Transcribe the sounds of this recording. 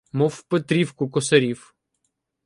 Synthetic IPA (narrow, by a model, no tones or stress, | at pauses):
mɔwpet̪ɾʲiwkʊkɔsɐɾʲiw